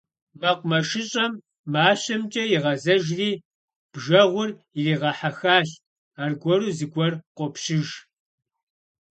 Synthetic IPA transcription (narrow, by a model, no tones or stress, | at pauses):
mɐqʷmɐʂɨɕʼɐmː | aːɕɐmt͡ʃʼɐjiʁɐzɐʒriː | b̥ʒɐʁʷʊr | ɪriːʁɐħaxaːɬ | aːrɡʷɔɾuːzɨɡʷɔrqʷɔpʃɪʒ